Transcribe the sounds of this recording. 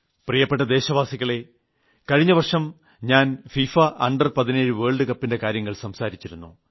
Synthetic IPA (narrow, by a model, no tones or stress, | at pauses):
prijɐpːe̞ʈːɐd̪e̞ːɕɐʋaːsiɣɐɭe̞ | kɐɻiɲːɐʋɐrʂɐm | ɲaːnfiːfaʔɐ̰ɳɖɐrpɐðine̞ːɻɨʋeːɭɖɨkɐpːinde̞kaːɾjɐŋːɐɭsɐmsaːɾit͡ɕːiɾunːu